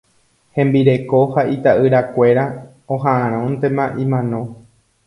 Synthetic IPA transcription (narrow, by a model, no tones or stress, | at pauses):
hẽ̞mbiɾe̞ko̞hait̪aʔɨɾakʷe̞ɾa | õɦãʔãɾ̃õnt̪e̞mãʔĩmãnõ̞